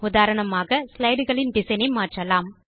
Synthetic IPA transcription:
ʊðaːɾɐɳɐmaːɣɐslɐɪɽɣɐɭɪndɪsɐnɐɪmaːʈrɐlaːm

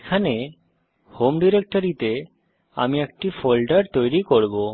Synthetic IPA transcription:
kʰane | homɖiɾek̚ʈoɾit̪e | a̰miek̚ʈifolɖaɾt̪ojɾikoɾbo

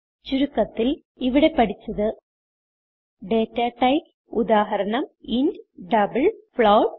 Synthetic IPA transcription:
t͡ʃʊɾɯkːɐt̪ːɪl | ɪʋɪɽɐɪpːɐɽɪt͡ʃːɐðɯ | ɖeːʈːaːʈɐɪp | ʊðaːɦɐɾɐɳɐmɪnɖɖɐbɐlfɭɐːʈ̚

